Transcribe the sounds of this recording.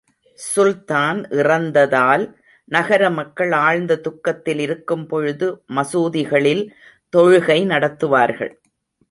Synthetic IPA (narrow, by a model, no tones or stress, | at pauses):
sʊlt̪aːnʔɪrɐnd̪ɐðaːl | nɐɣɐɾɐmɐkːɐɭaːɻnd̪ɐt̪ʊkːɐt̪ːɪlɪɾɯkːɯmpɔɻɯðɯmɐsuːðɪɣɐɭɪl | t̪ɔɻɯɣɐɪnɐɽɐt̪ːɯʋaːɾɣɐ̰ɭ